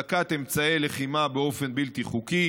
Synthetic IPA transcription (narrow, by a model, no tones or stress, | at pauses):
akat̪e̞mt͡saeleχimabeo̞fe̞nbilt̪iχuki